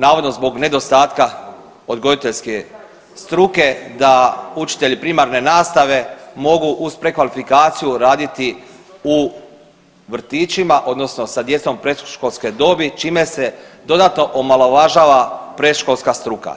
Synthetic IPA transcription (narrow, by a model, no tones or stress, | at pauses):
naːʋo̞d̪no̞zbo̞ɡne̞d̪o̞st̪aːt̪ka | o̞d̪ɡo̞d̪it̪e̞ʎske̞ | st̪ɾuke̞d̪aut͡ʃi̥t̪e̞ʎipɾiːmaɾne̞naːst̪aʋe̞mo̞ɡuʔuspɾe̞kʋalifikaːt̪sijuɾaːd̪it̪i | u | ʋr̩t̪iːt͡ʃimaʔo̞d̪no̞sno̞sad̪je̞t̪so̞mpɾed̪ʃkolˠske̞d̪o̞ːbit͡ʃiːme̞se̞d̪o̞d̪at̪no̞ʔomaloʋaʒaːʋapɾed̪ʃko̞lˠskast̪ɾuka̰